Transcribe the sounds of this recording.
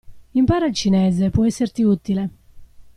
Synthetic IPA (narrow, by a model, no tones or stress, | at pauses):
impaːɾalt͡ʃinɛːzepɔɛsːeɾt̪iut̪ile